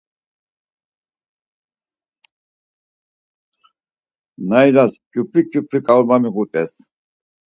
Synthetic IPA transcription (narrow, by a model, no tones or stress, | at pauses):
najɾaskʼupʰikʼupʰɾikʼauɾmamiɣut̪ʼɛs